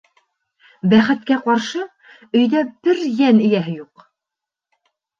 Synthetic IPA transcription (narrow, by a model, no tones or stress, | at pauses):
bæχɘ̆t̪̚kæqɑɾʃɤ | ɵ̆jðæb̥ɘɾjænɘ̆jæɦɘjuq